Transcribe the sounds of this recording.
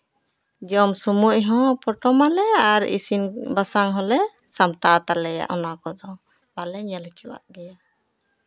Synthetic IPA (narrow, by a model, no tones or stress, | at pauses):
d͡ʒɔmsumuʔɦɔ̃pɔʈɔmalɛaɾḭsinbasaŋɦɔlɛsamʈat̪alɛja̰ʔɔnakɔd̪ɔ | balɛɲɛlt͡ʃɛwa̰ʔɡɛja